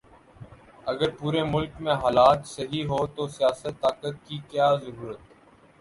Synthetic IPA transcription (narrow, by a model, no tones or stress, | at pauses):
əɡəɾpuːɾeːmʊlkmẽːɦaːlaːt̪səɦiːɦoːt̪oːsɪjaːsət̪ːaːkət̪̚kiːkjaːzəɾuːɾət̪